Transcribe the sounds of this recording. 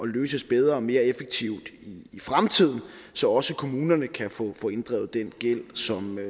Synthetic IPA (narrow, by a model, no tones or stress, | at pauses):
ʔɒ̽løːsəsb̥eð̞ˠʁɐɒme̝ːɐefeɡ̥̚t͡sʰiʊ̰d̥iːfʁamt͡sʰið̞̰ˠn̩ | sɒ̽ɒ̽səkʰo̝muːnɐnəkʰæfɔfɔ̽ːe̝nd̥ʁɛ̰ːʊð̩ˠd̥enɡ̥el̰sɒ̽m